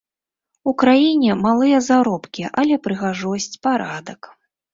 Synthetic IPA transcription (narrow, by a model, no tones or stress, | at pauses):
ukɾajinʲɛmalˠɨjɐzaɾɔpkʲiʔalʲɛpɾɨɣaʐɔsʲt͡sʲpaɾad̪ɐk